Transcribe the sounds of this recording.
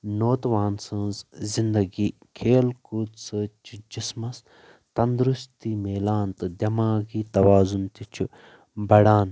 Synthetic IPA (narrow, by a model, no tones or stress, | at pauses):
noːt̪ʋaːnsɐ̃nzzind̪ɐɡiːkʰeːlkuːt̪sɨt͡ʃʰid͡ʒismɐs | t̪ɐnd̪ɾust̪iːmeːlaːnt̪ɨd̪ʲjɐmaːɡiːt̪ɐʋaːzunt̪it͡ʃʰu | bɐɽaːn